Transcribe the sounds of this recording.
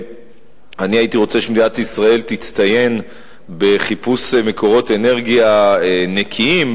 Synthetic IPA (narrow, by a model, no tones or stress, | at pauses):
aniait̪iʁo̞t͡seʃemid̪inat̪isʁae̞lt̪it͡st̪aje̞n | be̞χipusmekʰo̞ʁo̞t̪e̞ne̞ʁɡiaenekʰiim